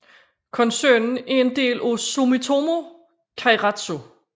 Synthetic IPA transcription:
kʰɒ̽nsø̰ːnn̩æɐe̝nd̥e̝̰ːlʔosomit͡sʰo̝mo̝ | kʰɑ̈ʁɑd̥so̝

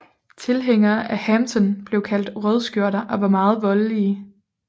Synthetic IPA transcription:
t͡sʰe̝lɦeŋ̰ɐːʔæhæmsɒ̽nb̥le̝ʊkʰæl̰d̥ʁœð̞ˠsɡ̥jo̝ɐ̰ɾɐʔɒ̽ʋɑ̈mɑ̈ːð̞̩ˠʋɒ̽lliː

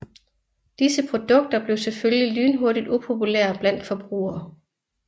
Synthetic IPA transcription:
d̥isəpʰʁo̝d̥ɔ̽ɡ̥̚d̥ɐb̥le̝ʊseføljlilyːnɦoɐɾid̥upʰo̝puleɐb̥læn̰d̥fɒ̽b̥ʁṵːɐː

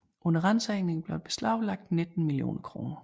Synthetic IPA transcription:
ʔɔ̽nɐʁɑn̰sɐeŋne̝ŋb̥leb̥e̝slɑ̈ʊlɑ̈ɡ̥̚d̥ned̥n̩milio̝̰ːnʔɐkʰʁo̝ːnɐ

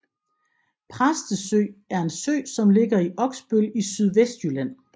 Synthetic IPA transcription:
pʰʁasd̥əsø̰ːæɐe̝nsø̰ːsɒ̽mle̝ɡ̥ɐiʔɒ̽ɡ̥sb̥ølisyð̞ˠʋesd̥jylæn̰

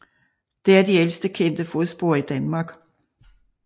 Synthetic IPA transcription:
d̥e̝æɐd̥iel̰sd̥əkʰen̰d̥əfo̝ð̩ˠsb̥o̝ɐ̰id̥ænmɑ̈ɡ̥

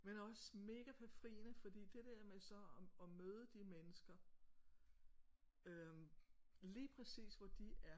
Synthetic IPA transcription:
menɒ̽səme̝ːɡ̥æpʰæfʁḭːnəfɒ̽d̥ḭːd̥e̝d̥ɛɐ̰mesɒ̽ɒ̽møːð̞ˠəd̥imenəsɡ̥ɐ | ø | liːpʰʁɛsḭːsʋɒd̥iʔæɐ

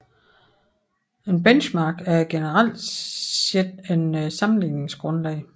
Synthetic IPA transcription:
e̝nb̥enɕmɑ̈ːɡ̥æɐɡ̥e̝nəʁal̰d̥sed̥e̝nsɑ̈mn̩lḭːne̝ŋsɡ̥ʁɔ̽nlɛ̰ɪ

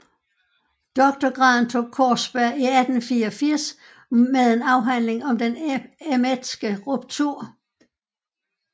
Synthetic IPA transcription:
d̥ɒ̽ɡ̥̚t͡sɒɡ̥ʁɑ̈ːnt͡sʰo̝̰ːkʰɒ̰ːsb̥æɐiæd̥n̩fiːɒfiɐ̰s | meðˠe̝nɑ̈ʊɦæn̰le̝ŋɒ̽md̥enemed̥sɡ̥əʁub̥̚t͡sʰuɐ̰

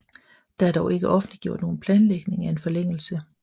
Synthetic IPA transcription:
d̥ɑ̈æɐd̥ɒʊʔe̝ɡ̥əʔɒ̽fn̩dliɡ̥jo̝ɐ̰d̥no̝ːn̩pʰlɛːnleɡ̥ne̝ŋæe̝nfɒ̽leŋ̰l̩sə

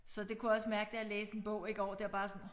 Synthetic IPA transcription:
sɒ̽d̥e̝kʰujɒ̽smæɐɡ̥əd̥e̝æleːsə̥e̝nb̥ɔ̽ʊ̰e̝ɡ̥əɒ̰d̥e̝æɐb̥ɑ̈ːsɒ̽n

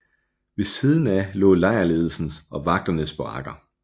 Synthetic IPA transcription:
ʋe̝siːð̞ˠn̩ælɔ̰̽ːlɑ̈ɪ̰ɐle̝ːð̞ˠl̩sn̩sɒ̽ʋɑ̈ɡ̥̚d̥ɐnəsb̥ʁɑ̰̈ɡ̥ɐ

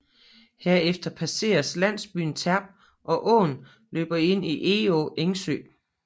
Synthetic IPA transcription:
heɐ̰efd̥ɐpʰæse̝̰ːɐslæn̰sb̥y̰ːn̩t͡sʰæɐb̥̚ | ʔɒ̽ʔɔ̰ːn | lø̰ːb̥ɐe̝n̰iʔe̝oʔeŋsø̰ː

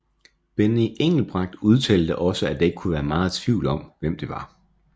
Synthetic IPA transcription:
b̥eniʔeŋ̰l̩b̥ʁɑ̈ɡ̥̚d̥uð̞ˠt͡sʰɛ̰ːld̥əʔɒ̽səæd̥eeɡ̥kʰuʋæːɐmɑ̈ːð̩ˠt͡sʰʋiʊlɒ̽m̰ʋem̰d̥e̝ʋɑ̈

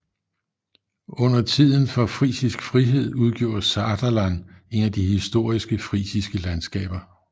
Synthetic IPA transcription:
ɔ̽n̰ɐt͡sʰið̞̰ˠn̩fɒ̽fʁḭːsisɡ̥fʁiɦe̝ð̞̰ˠuð̞ˠɡ̥jo̝̰ːsɑd̥ælæne̝næd̥ihisd̥o̝ɐ̰isɡ̥əfʁḭːsisɡ̥əlænsɡ̥ɛ̰ːb̥ɐ

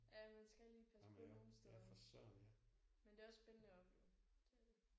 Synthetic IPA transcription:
jæmænsɡ̥æliːpʰæsəɔno̝ːn̩sd̥efɒsø̰næmend̥e̝ːɒ̽sːb̥enənəɒ̽b̥leʊ̰d̥ede

